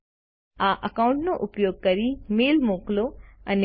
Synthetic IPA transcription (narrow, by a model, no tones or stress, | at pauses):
aʔəkaʊ̃ɳʈnoʔʊpjoːɡ̚kəɾimeːlmoːkloəne